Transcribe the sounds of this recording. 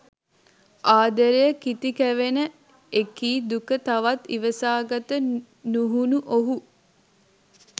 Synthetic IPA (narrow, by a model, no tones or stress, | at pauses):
ʔaːd̪əɾejəkit̪ikæʋenə | ekiːd̪ukət̪aʋat̪ḭʋəsaːɡat̪ə | nuɦunuʔoɦu